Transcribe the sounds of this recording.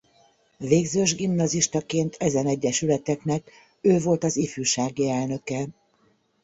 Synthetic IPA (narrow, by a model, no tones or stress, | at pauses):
veːɡzøːʒɡimnɒziʃt̪ɒkeːnt̪ʰɛzɛnɛɟːɛʃylɛt̪ɛknɛk | øːvo̞lt̪ɒzifyːʃaːɡiɛlnø̞kɛ